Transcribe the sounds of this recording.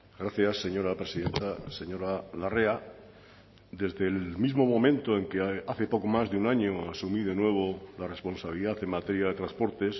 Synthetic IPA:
ɡɾaθjasːe̞ɲo̞ɾapɾesiðẽ̞nt̪ase̞ɲo̞ɾalarea | d̪e̞zðelmizmo̞mõ̞mẽ̞nt̪oe̞ŋkeaθe̞po̞komazðeunaɲoasumið̞e̞nwe̞β̞olare̞spõ̞nsaβiliðaθe̞ŋmat̪eɾjaðe̞t̪ɾaspo̞ɾt̪es

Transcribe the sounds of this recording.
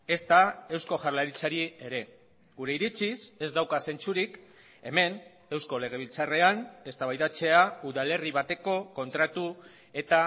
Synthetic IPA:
e̞st̪ae̞wsko̞ʝarlaɾit͡saɾie̞ɾe̞ | ɡuɾe̞iɾit͡sise̞zd̪awkase̞nt͡suɾik | e̞me̞n | e̞wsko̞le̞ɣ̞e̞β̞ilt͡sare̞ane̞st̪aβajt̪at͡se̞auðale̞riβat̪e̞ko̞ko̞nt̪ɾat̪u | e̞t̪a

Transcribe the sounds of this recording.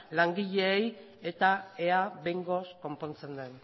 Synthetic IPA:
laŋɡiʎe̞ːj | e̞t̪ae̞aβejŋɡo̞sko̞mpo̞nt͡se̞nd̪e̞n

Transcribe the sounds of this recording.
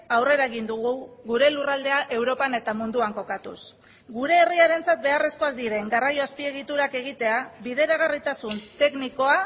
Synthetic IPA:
awre̞ɾaeɣind̪uɣuɣuɾe̞lurald̪e̞aʔe̞wɾo̞pane̞t̪amund̪uaŋko̞kat̪ṵs | ɡuɾe̞ːriaɾe̞nt͡sat̪̚be̞are̞sko̞ak̚d̪iɾe̞ŋɡarajo̞aspie̞ɣ̞it̪uɾake̞ɣ̞it̪e̞aβið̞e̞ɾaɣ̞arit̪asunt̪e̞kniko̞a

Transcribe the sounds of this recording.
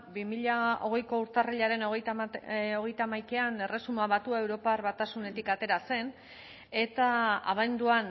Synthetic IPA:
bimiʎao̞ɣ̞e̞jko̞uɾt̪ariʎaɾe̞noɣto̞ɣ̞e̞jt̪amajkeane̞re̞sumaβat̪uae̞wɾo̞parβat̪asune̞t̪ikat̪e̞ɾase̞n | e̞t̪aa̰βand̪uan

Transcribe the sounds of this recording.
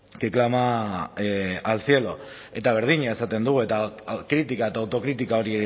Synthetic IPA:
keklama | alsje̞lo̞ | e̞t̪aβ̞e̞ɾð̞iɲaesat̪e̞nd̪uɣue̞t̪akɾit̪ikaet̪aːwt̪o̞kɾit̪ikao̞ɾie

